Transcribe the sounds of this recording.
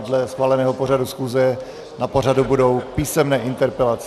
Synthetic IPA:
dlɛsxvaːlɛnɛːɦo̞por̝adusxuːzɛ | napo̞r̝adubudo̞wpiːsɛmnɛːʔɪnt̪ɛɾpɛlat͡s

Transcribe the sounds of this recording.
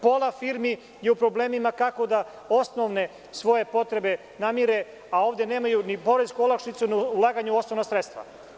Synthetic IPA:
polˠafiːɾmi | je̞upɾo̞ble̞ːmimakako̞d̪a | o̞sno̞ʋne̞ | sʋo̞je̞po̞t̪ɾe̞be̞ | namiɾe̞ | ao̞ːʋd̪e̞neːmajunipo̞ɾe̞skuolˠakʃnit̪sunulˠaːɡaɲuo̞sno̞ʋnasɾet̪st̪ʋa̰

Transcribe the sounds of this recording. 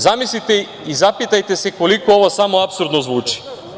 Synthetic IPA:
zamislit̪e | izapit̪ajt̪esekolikooʋosamoapsuɾd̪nozʋuːt͡ʃi̥

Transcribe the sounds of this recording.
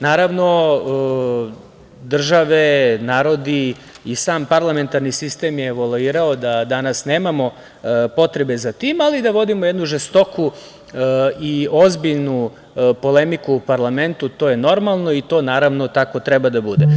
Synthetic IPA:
naːɾaʋno̞ | d̪r̩ʒaʋe̞naːɾo̞d̪i | isaːmpaɾlˠame̞nt̪aɾnisist̪emjeːʋolˠuiːɾaod̪ad̪anasne̞ːmamo̞ | po̞t̪ɾe̞be̞zat̪iːmalid̪aʋo̞d̪imo̞je̞d̪nuʒest̪o̞ku | iozbiʎnu | po̞le̞mikuːpaɾlˠame̞nt̪ut̪o̞ːje̞no̞ɾmalˠno̞it̪o̞ːnaːɾaʋno̞t̪ako̞t̪ɾɛbad̪abud̪e

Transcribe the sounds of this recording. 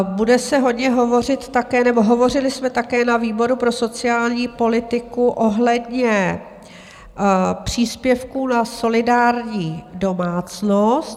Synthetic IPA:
budɛsɛɦo̞dɲɛɦo̞vo̞r̝ɪt̪ːakɛːnɛbo̞ɦo̞vo̞rɪlɪsmɛt̪akɛːnaviːbo̞ɾupɾo̞sot͡sɪaːlɲiːpo̞lɪt̪ɪkuʔo̞ɦlɛdɲɛ | pr̝̥iːspjɛfkuːnaso̞lɪdaːɾɲiːdo̞maːt͡snost̪

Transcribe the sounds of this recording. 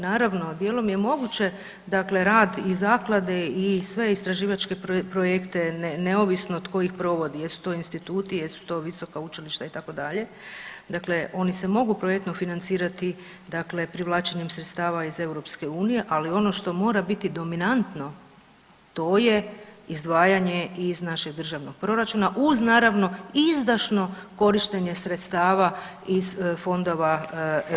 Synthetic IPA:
naːɾaʋno̞d̪jelˠo̞mje̞mo̞ɡut͡ɕe̞ | d̪akle̞ɾaːd̪izaːklˠad̪e̞isʋe̞ist̪ɾaʒiːʋat͡ʃke̞ppɾojekt̪e̞nne̞oʋisnoːd̪ko̞jixpɾo̞ʋo̞d̪ijesu̥t̪o̞ːinst̪it̪uːt̪ijesu̥t̪o̞ʋiso̞kaut͡ʃiliʃt̪ait̪ako̞d̪aʎe̞ | d̪akle̞ʔo̞nise̞mo̞ɡupɾojekt̪nofinant̪siːɾat̪i | d̪akle̞pɾiʋlˠaːt͡ʃe̞ɲemsɾet̪st̪aːʋaize̞wɾo̞pske̞uːnije̞ʔalio̞no̞ʃt̪o̞mo̞ːɾabit̪id̪o̞minant̪no̞ | t̪o̞je̞izd̪ʋaːjaɲe̞iznaʃe̞ɡ̚d̪r̩ʒaʋno̞ɡ̥̚pɾo̞ɾat͡ʃuːnaʔuznaːɾaʋno̞izd̪aʃno̞ko̞ɾiʃt̪e̞ɲe̞sɾe̞t̪st̪aːʋa | iz̥fo̞nd̪o̞ʋa

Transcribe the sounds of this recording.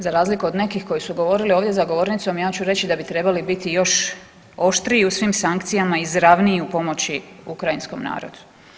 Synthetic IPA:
zaɾaːzlikuod̪ne̞kixko̞jisuɡo̞ʋo̞ɾilioʋd̪je̞zaɡo̞ʋo̞ɾnit̪so̞mjaːt͡ɕuɾe̞t͡ɕid̪abit̪ɾe̞balibit̪ijo̞ʃ | o̞ʃt̪ɾiːusʋimsaŋkt̪sijamaizɾaʋniiupo̞mo̞t͡ɕiukɾajinsko̞̰mna̰ːɾo̰d̪u̥

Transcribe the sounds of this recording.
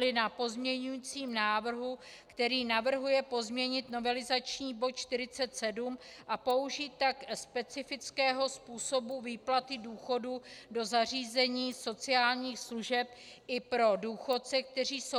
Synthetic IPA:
lɪnapo̞zmɲɛɲujiːt͡siːmnaːvr̩ɦu | kt̪ɛɾiːnavr̩ɦujɛpo̞zmɲɛɲɪt̪no̞vɛlɪzat͡ʃɲiːbo̞t̪̚t͡ʃt̪ɪɾɪt͡sɛt̪sɛdumʔapo̞uʒiːt̪ːakspɛt͡sɪfɪt͡skɛːɦo̞spuːso̞buviːplat̪ɪduːxo̞dudo̞zar̝iːzɛɲiːso̞t͡sɪaːlɲiːxsluʒɛp̚ʔɪpɾo̞duːxo̞tt͡sɛk̚t̪ɛr̝iːso

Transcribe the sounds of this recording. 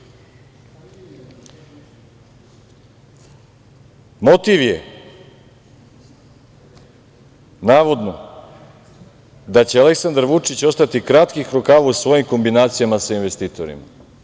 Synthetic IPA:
mo̞t̪iʋje | naːʋo̞d̪no̞ | d̪at͡ɕeale̞ksand̪aɾʋut͡ʂit͡ɕo̞st̪at̪ikɾat̪kixɾokaːʋausʋo̞jimko̞mbinaːt̪sijamasainʋest̪iːt̪o̞ɾḭma

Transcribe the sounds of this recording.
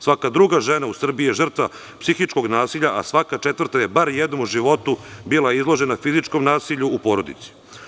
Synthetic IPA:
sʋakad̪ɾuɡaʒenausr̩biijeʒr̩t̪ʋa | psixit͡ʃko̞ɡnaːsiʎaʔa̰sʋakat͡ʃet̪ʋrt̪ajebaɾjed̪nomuʒiʋo̞t̪ubilˠaizlˠo̞ʒe̞nafizit͡ʃkomnaːsiʎuːpo̞ːɾo̞d̪ḭt̪si̥

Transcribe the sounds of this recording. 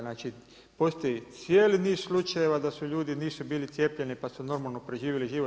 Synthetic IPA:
naːt͡ʃi | po̞st̪ojit̪sjeːliniːsslˠut͡ʃaje̞ʋad̪asuʎuːd̪iniːsubiːlit̪sjepʎe̞nipasuno̞ɾmalˠnopɾeʒiːʋjiliʒiʋo

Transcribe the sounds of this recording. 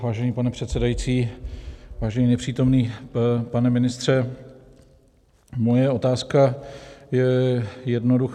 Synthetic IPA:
vaːʒɛɲiːpanɛpr̝̥ɛt̪sɛdajit͡siː | vaːʒɛɲinɛpr̝̥iːt̪o̞mniːpanɛmɪnɪst̪r̝̥ɛ | mojɛo̞t̪aːskajɛjɛdnodux

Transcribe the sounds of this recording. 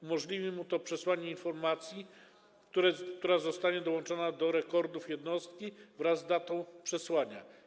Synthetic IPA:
umɔʐlʲivʲimut̪ɔpʂɛswaɲɛinfɔɾmat̪sʲji | kt̪uɾɛk̚t̪uɾazɔst̪aɲɛd̪ɔwɔnt͡ʂɔnad̪ɔɾɛkɔɾd̪ufjɛd̪nɔst̪kʲivɾazd̪at̪ɔ̃w̃pʂɛswaɲa̰

